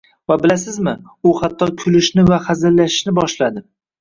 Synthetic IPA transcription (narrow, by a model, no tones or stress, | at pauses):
vabɪlasɪzmɪ | ʊhat̪ʰːɒkʲʰʊlɪʃnɪvahazɪlːaʃɪ̥ʃnɪbɒʃlad̪ɪ